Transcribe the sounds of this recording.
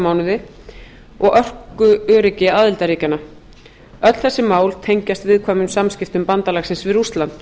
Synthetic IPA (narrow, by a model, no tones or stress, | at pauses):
maːwnʏðɪ | ɔɣœr̥kʏœːɾɪcɪaːðɪlt̪aɾiːcanːa | œt̪l̥θɛsːɪmaːwlt̪ʰejɲcast̪vɪðkʰvaːmʏmsamscɪft̪ʏmpant̪alaxsɪnsvɪðɾust̪lant̪